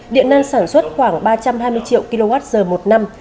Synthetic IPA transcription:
ɗḭ˧˨ənə˧nsaː˧˩nswə˦˥t̚xwaː˧˩ŋɓaː˧t͡ɕa˧mhɦaː˧jmɨ˧əjt͡ɕḭ˧˨ə˨wki˧lo˧vaː˦˥t̚zəː˨˩mo˨˩t̚na˧m

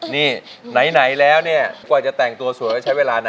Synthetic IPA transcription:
niː˥˩na˩˦jna˩˦jlɛː˦˥wni˥˩ɐkwaː˨˩t͡ɕa˨˩t̪ɛː˨˩ŋt̪u˧ɐsu˨˩˦jhaː˥˩t͡ɕʰa˦˥jweː˧laː˧na˦

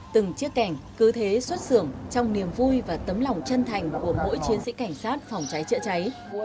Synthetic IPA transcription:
t̪ɨ˨˩ŋt͡ɕi˦˥əkːa˧˩jŋ̟kɨ˨˦t̪ʰe˨˦swə˦˥t̚sɨ˧˩əŋt͡ɕɔ˧wŋ͡mni˨˩əmvu˧jvaː˨˩t̪ə˨˦mla˨˩wŋ͡mt͡ɕə˧nt̪ʰa˨˩jŋ̟ku˧˩əmo̰˧˥jt͡ɕi˨˦ənzḭ˧˥ka˧˩jŋ̟saː˦˥t̚fɔ˨˩wŋ͡mt͡ɕa˨˦jt͡ɕə̰˧˥t͡ɕa˨˦j

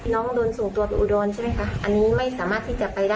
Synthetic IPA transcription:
nɔː˦˥ŋdoː˧nsuː˨˩ŋt̪u˧ɐpe˧nʔu˨˩doː˧nt͡ɕʰa˥˩ma˦˥˩jkʰa˦˥ʔa˧nːiː˦˥ma˥˩jsaː˩˦maː˥˩t̪ʰːiː˥˩t͡ɕa˨˩pa˧jdaː˥˩

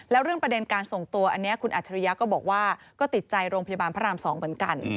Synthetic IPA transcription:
lɛː˦˥wɾɯ˥˩əŋpɾa˧de˧nkaː˧nso˨˩ŋt̪u˧ɐʔa˧nːi˦˥ɐʔkʰu˧nʔaː˨˩tt͡ɕʰa˧ɾi˦˥ja˦˥kɔː˥˩bɔː˨˩k̚waː˥˩ | kɔː˥˩t̪i˨˩t̪̚t͡ɕa˧jɾoː˧ŋpa˧ja˧baː˧npʰaː˦˥ɾaː˧msɔː˩˦ŋmɯ˩˦nka˧n

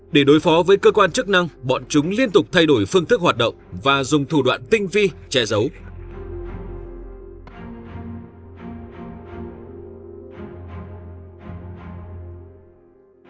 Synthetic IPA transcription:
ɗe˧˩ɗo˨˦jfɔ˨˦vəː˨˦jkəː˧kwaː˧nt͡ɕɨ˦˥k̚na˧ŋɓɔ̰˧˨nt͡ɕʊ˨˦ŋ͡mli˧ənt̪ʊ˨˩k͡p̚t̪ʰa˧jɗo˧˩jfɨ˧əŋt̪ɨ˦˥k̚waː˨˩t̚ɗə̰˧˨wŋ͡mvaː˨˩zʊ˨˩ŋ͡mt̪ʰu˧˩ɗwa̰ː˧˨nt̪ï˧ŋ̟vi˧t͡ɕɛ˨˧˦zə˨˦w

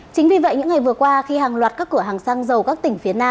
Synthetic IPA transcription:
t͡ɕï̟˨˦vi˨˩və̰˧˨jɲɨ̰˧˥ŋːa˨˩jvɨ˨˩əkwaː˧xi˧haː˨˩ŋlwaː˨˩t̚kaː˦˥kːɨ˧˩əɦaː˨˩ŋsaː˧ŋzə˨˩wkaː˦˥k̚t̪ï˧˩ŋ̟fi˨˦ənaː˧

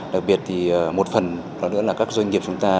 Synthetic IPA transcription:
ɗa˨˩k̚ɓi˨˩ət̚t̪ʰiː˨˩˨mo˨˩t̚fə˨˩n | ɗɔ˨˦nɨ̰˧˥əlaː˨˩kaː˦˥k̚zwə˧ŋi˨˩p̚t͡ɕʊ˨˦ŋ͡mt̪aː˧

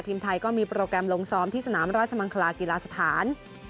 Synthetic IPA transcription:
t̪ʰiː˧mt̪ʰa˧jkɔː˥˩miː˧pɾoː˧kɾɛ˧mlo˧ŋsɔː˧mt̪ʰiː˥˩sa˧naː˩˦mɾaː˥˩t̪̚t͡ɕa˧ma˧ŋkʰa˧laː˧ki˧laː˧sa˧t̪ʰaː˩˦n

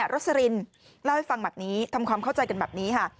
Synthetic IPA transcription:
ɾo˦˥sa˧ɾi˧n | la˥˩wha˥˩jfa˧ŋba˨˩niː˦˥t̪ʰa˧mkʰwaː˧mkʰa˥˩wt͡ɕa˧jka˧nbɛ̰ː˨˩p̚niː˦˥kʰa˥˩

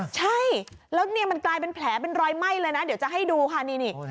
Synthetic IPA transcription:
t͡ɕʰa˥˩j | lɛː˦˥wni˥˩əma˧nklaː˧jp̬e˧npʰlɛː˩˦p̬e˧nɾɔː˧jma˥˩jlɤː˧jna˦˥di˨˩˦wt͡ɕa˨˩ɦa˥˩jduː˧kʰaː˥˩niː˧ni˥˩

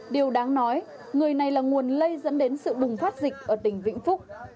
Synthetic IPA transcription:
ɗi˨˩əwɗaː˨˦ŋnɔ˨˦j | ŋɨ˨˩əjna˨˩jlaː˨˩ŋu˨˩ənlə˧jzə̰˧˥nɗe˨˦nsɨ̰˧˨ɓʊ˨˩ŋ͡mfaː˦˥t̚zï˨˩k̟̚ʔəː˧˩t̪ï˧˩ŋ̟vḭ˧˨ŋ̟fʊ˦˥k͡p̚

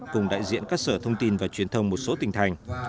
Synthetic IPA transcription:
kʊ˨˩ŋ͡mɗa̰ː˧˨jzḭ˧˨ənkaː˦˥k̚səː˧˩t̪ʰə˧wŋ͡mt̪i˧nvaː˨˩t͡ɕwi˨˩ənt̪ʰə˧wŋ͡mmo˨˩t̚so˨˦t̪ï˨˩ŋ̟t̪ʰa˨˩jŋ̟

